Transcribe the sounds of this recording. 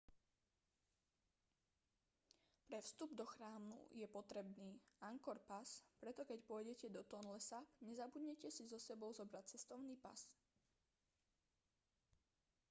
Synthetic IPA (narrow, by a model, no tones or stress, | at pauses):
pɾɛfst̪ubd̪ɔxɾaːmnṵjɛpɔt̪ɾɛbniːaŋkɔɾpaspɾɛt̪ɔkɛcpʊɔjɟɛcɛd̪ɔt̪ɔnlɛsapɲɛzabuɟɲɛcɛsizɔsɛbɔʊzɔbɾac̚t͡sɛst̪ɔʊniːpa̰s